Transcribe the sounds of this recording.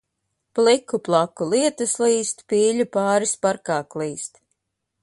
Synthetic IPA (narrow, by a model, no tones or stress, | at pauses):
plˠikuplˠakulˠiɛt̪ɨslˠiːst̪piːʎupaːɾispaɾkaːklˠiːst̪